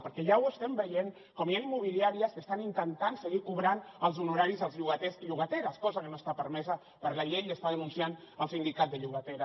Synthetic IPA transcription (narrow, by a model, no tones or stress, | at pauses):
pəɾkɛʒawəst̪ɛmbəjeŋ | kɔmjanimːuβ̞iliaɾiəskəst̪anint̪ənt̪ansəɣikuβɾanəlˠzunuɾaɾizəlˠzʎuɣət̪ɛsʎuɣ̞ət̪eɾaskɔzəkənost̪apəɾmɛzə | pəɾlaʎejəst̪aðənunsjanəlˠsind̪ikat̪̚d̪əʎuɣət̪eɾa